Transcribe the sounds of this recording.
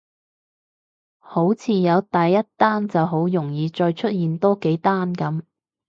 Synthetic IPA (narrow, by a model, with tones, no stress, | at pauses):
ho˨˥wt͡sʰiː˨˧jɐ˨˧wt̪ɐ˨jːɐ˥t̚t̪aː˥nt͡sɐ˨wɦo˨˥wjʊ˨˩ŋjiː˨˧t͡ʃɔː˧jt͡ʃʰɵ˥t̚jiː˨nt̪ɔː˥ke˨˥jt̪aː˥nkɐ˨˥m